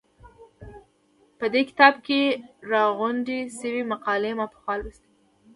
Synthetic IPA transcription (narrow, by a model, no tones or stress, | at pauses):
pəd̪ekɪ̥t̪ɑbkeɾɑɣuɳɖisəwimaqɑlemɑpə̥xwɑlwist̪i